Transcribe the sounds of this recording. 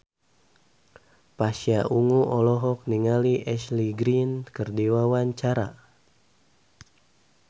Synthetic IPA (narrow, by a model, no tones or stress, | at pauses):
pasiaʔuŋuʔɔlɔɦɔk̚niŋaliʔɛsliɡɾinkərdiwawaɲt͡ʃaɾa